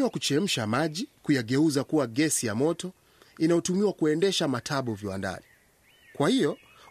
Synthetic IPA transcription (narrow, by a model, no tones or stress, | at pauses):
iwakut͡ʃɛm̩ʃamaʄikujaɡɛuzakuwaɡɛsijamɔtɔ | inajɔtumiwakuɛndɛʃamatʰaɓɔviwa̰nda̰ni | kwahijɔ